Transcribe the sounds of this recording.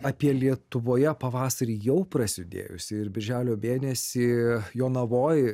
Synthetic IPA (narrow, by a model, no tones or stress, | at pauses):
ɑpʲiɛlʲiɛt̪ʊʋoːjɛpɐʋɑːsɐɾʲiːjɛʊpɾɐsʲɪd̪ʲḛːjʊ̰sʲɪɪɾbʲɪɾʲʒʲæːlʲoːmʲeːnʲɛsʲiːjoːnɐʋoːj